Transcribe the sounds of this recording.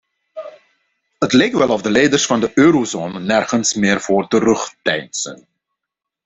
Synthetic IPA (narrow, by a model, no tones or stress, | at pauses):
ɦətlejk̚tʋɛlˠɔfdəlɛjdərsfɑndəʔøːɾozoːnənɛrχənsmɪːrvoːrtərɵχtɛjnsə̰n